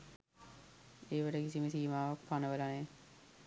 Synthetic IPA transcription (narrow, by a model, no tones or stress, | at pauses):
eːʋəʈəkisiməsiːmaːʋakpanəʋəlaneː